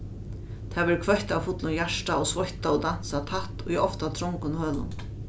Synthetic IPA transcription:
t̪ʰavɛɾkʰvœçt̪awfʊt̪lʊnjaʂʈaɔsvɔçt̪ːawd̪an̥sat̪ʰat̪ɔiɔft̪at̪ʰɾɔŋkʊnhœːlʊ̰n

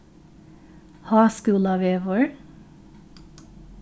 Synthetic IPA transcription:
hɑːskʉːlɑʋeːʋoɹ

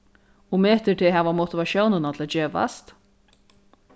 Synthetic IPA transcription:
ɔɣmɛːht̪ɪt̪ʰɪɦɛːvamowt̪ɪvaʃjownɪnat̪ʰɪaːd͡ʒeːva̰st̪

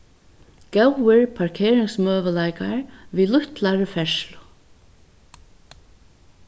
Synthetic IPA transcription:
ɡ̥ɛwɪɹpʰaɹkʰeːɾɪŋksmœːʋəlajkaɹviːlʊht̪laɹfɛʃlʊ̥

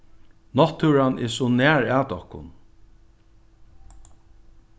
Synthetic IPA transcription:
nɔt̪ʰːuɾanɛ̰sɔnɛːɹaːt̪ɔhkʊ̰n

